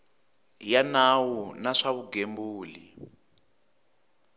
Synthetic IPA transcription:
janawunaʂaβuɡembuːlḭ

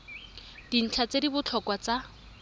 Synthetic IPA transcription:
d̥in̩t͡ɬʰat͡sedibʊt͡ɬʰɔkwat͡sa

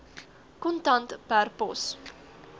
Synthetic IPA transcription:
kɔntɐntpærpɔs

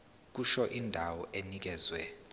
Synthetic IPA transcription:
k̬uʃɔʔindʱawɔʔenik̬ɛːzwɛ

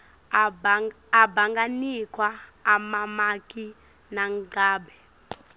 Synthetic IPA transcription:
baŋɡanikʰʼwaːmamak̬ʼi | naŋŋ͡ǀaːbɛ

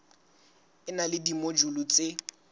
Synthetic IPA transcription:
ɪnalɪdimod͡ʒulut͡sʼe

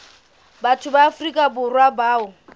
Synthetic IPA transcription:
batʰʊbaːfrikʼabʊrwabaːʊ

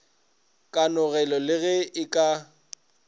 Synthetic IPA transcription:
kʼanʊɣɛlɔlɪɣɛɪkʼa

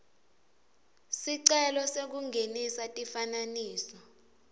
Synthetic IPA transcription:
siǀɛlɔsek̬uŋʱenisatʼifananiːsɔ

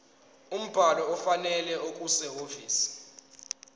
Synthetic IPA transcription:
um̩b̥ʱalɔɔfanɛlɛʔokʼusɛofḭːsi̥

